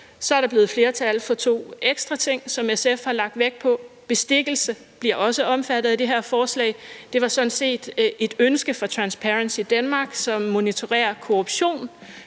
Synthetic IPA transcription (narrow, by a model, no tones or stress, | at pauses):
sɒ̽æɐɾ̥ɑb̥liːð̩ˠfle̝ːɐt͡sʰæləfɒ̽t͡sʰo̝̰ːeɡ̥sd̥ʁɑ̈t͡sʰe̝ŋ̰sɒ̽mesefhɑ̈lɑ̈ɡ̥̚d̥ʋeɡ̥̚pʰɒ̽b̥e̝sd̥e̝ɡ̥l̩sə | b̥liɐʔɒ̽səʔɒ̽mfæd̥ð̩ˠæd̥e̝ɦeɐ̰fɒːslɛ̰ɪd̥e̝ʋɑ̈sɒ̽nse̝̰ːd̥e̝d̥ønsɡ̥əfɒ̽t͡sʰʁɑ̈nspʰæʁənsid̥ænmɑ̈ːɡ̥sɒ̽mːo̝nit͡sʰo̝ʁɛ̰ːɐkʰoʁub̥ɕo̝̰ːn